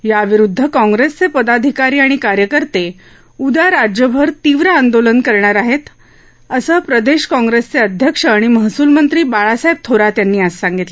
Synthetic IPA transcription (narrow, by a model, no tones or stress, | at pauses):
jaʋiɾud̪ʱːəkɔ̃ŋɡɾest͡sepəd̪ad̪ʱikaɾiːaɽ̃ikaɾjəkəɾt̪e | ud̪aɾad͡ʑjəbʱəɾt̪iʋɾaːnd̪olənkəɾɳaɾaɦet̪ | əsəːpɾəd̪eɕkɔ̃ŋɡɾest͡seəd̪ʱjəkʂəaɽ̃iməɦsuːlmənt̪ɾiːbaɭasajb̚t̪ʰoɾat̪janːiːasːãŋɡit̪le